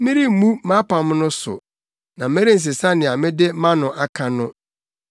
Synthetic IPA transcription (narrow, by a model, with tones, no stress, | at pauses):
mĩ˦ɾi˦˨mũ˦mã˦pʰã˨m˦nʊ̃˦sʊ̰˨ | nã˨mẽ˦ɾi˦n̩˨s̬ɪ˨sã˦nɪ̃˨a˨mɪ̃˦dɪ˦mã˦nʊ̃˨ʔa˨kʰã˨nʊ̃˦